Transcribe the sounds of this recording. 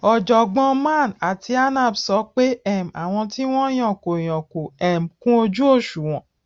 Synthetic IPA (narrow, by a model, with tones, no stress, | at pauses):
ɔ˨d͡ʒɔ˨ɡ͡bɔ̃˧mã˦˨na˨tʰi˧a˦nã˦˨bsɔ˨˦k͡pe˦ɛ˦˨m˨a˨w̃ɔ̃˧ti˦w̃ɔ̃˦j̃ɔ̃˨ko˨j̃ɔ̃˨ko˨ɛ˦˨m̩˨kũ˦o˧d͡ʒu˦o˦˨ʃu˨w̃ɔ̃˨